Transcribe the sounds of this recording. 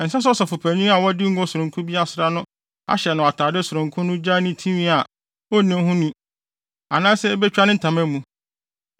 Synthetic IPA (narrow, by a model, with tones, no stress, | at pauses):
n̩˨sa˦s̬ɔ˦sɔ˨fʊ˨pʰæ˨ɲĩ˦a˨wɔ˦dɪ˦ŋ̩˦ɡɔ˦sʊ˨ɾʊ̃˨ŋkʰʊ˦bi˦a˦sɾa˦nʊ̃˦ | a̰˦ɕɛ˨nʊ̃˨a˨tʰaː˨dɪ˦sʊ˨ɾʊ̃˨ŋ˨kʰʊ̃˦nʊ̃˦d͡ʑa˦nʊ̃˦tʰĩ˦mĩ˦a˨ | ɔ˦nĩ˦ɦʊ̃˦nũ˦ | a˨nãː˦sɛ˦bɛ˦t͡ɕᶣa˦nɪ̃˦n̩˨tʰã˨mæ̃˦mũ˨˦